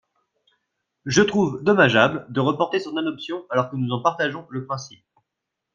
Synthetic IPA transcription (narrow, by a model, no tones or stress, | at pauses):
ʒət̪χuvd̪ɔmaʒabld̪əʁəpɔʁt̪esɔ̃nad̪ɔpsjɔ̃alɔʁkənuzɑ̃paʁt̪aʒɔ̃ləpχɛ̃sip̚